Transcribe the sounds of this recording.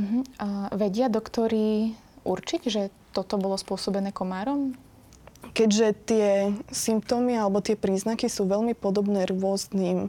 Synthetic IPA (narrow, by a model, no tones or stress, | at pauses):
m̩ɦ̩ʋɛɟɪad̪ɔkt̪ɔɾi | uɾt͡ʃiɟʒɛ | t̪ɔt̪ɔbɔlɔspʊɔsɔbɛnɛːkɔmaːɾɔm | kɛɟʒɛt̪ɪɛsimpt̪ɔmialɛbɔt̪ɪɛpɾiːznakisuːʋɛlmipɔd̪ɔbnɛːɾʊɔzniːm